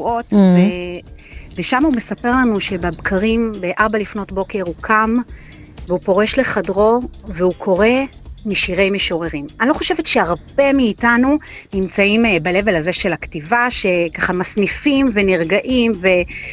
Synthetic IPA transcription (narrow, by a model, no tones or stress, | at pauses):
uo̞tve | veʃamaume̞sape̞ʁlanuʃe̞babkʰaʁimbeʔaʁbalifno̞tbo̞ke̞ʁukʰam | veupo̞ʁe̞ʃle̞χadʁo̞veukʰo̞ʁe̞miʃiʁe̞jmeʃo̞ʁe̞ʁimanilo̞χo̞ʃevetʃeaʁb̥e̞miːtanunimt͡saimbale̞velaze̞ʃe̞laktivaʃe̞kaχamasnifimve̞niʁɡaʔimve̞